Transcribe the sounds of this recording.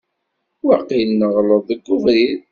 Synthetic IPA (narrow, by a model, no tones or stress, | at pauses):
waqːinːəʁləðˤəɡːʊvɾið